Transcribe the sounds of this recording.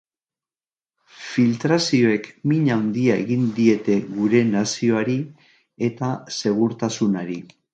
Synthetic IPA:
filt̪ɾasio̞e̞kmiɲawnd̪iaḛɣind̪ie̞t̪e̞ɣuɾe̞nasio̞aɾi | e̞t̪ase̞ɣ̞uɾt̪asunaɾi

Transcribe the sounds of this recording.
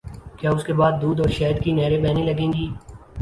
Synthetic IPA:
kjaːʊskebaːd̪̚ːuːd̪ɔːɾʃɛːd̪kinɛːɾebɛːnẽlɐɡẽːŋɡiː

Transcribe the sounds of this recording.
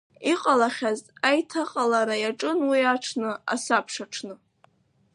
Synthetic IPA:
iqʼalaχʲazajtʰaqʼalaɾajaʈ͡ʂʼɨnwiaʈ͡ʂʰnɨa̰sapʰʂaʈ͡ʂʰnɨ

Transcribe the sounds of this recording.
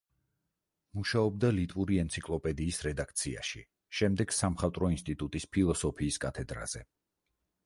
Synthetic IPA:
muʃaɔbd̪alit̪ʼvuɾiɛnt̪sʰikʼlˠɔpʼɛd̪iːsɾɛd̪ak̚ʰt̪sʰia̰ʃḭ | ʃɛmd̪ɛɡ̥samχat̪ʼɾɔinst̪ʼit̪ʼut̪ʼispʰilˠɔsɔpʰiːskʼat̪ʰɛd̪ɾa̰z̥ɛ

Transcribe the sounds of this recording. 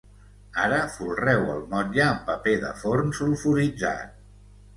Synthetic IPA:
aɾəfulˠrɛwə̰lˠmɔʎəːmpəpeðə̰foɾmsulˠfuɾid͡za̰t̪̚

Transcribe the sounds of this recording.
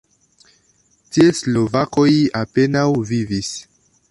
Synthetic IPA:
tieslo̞vako̞jape̞nawvivis

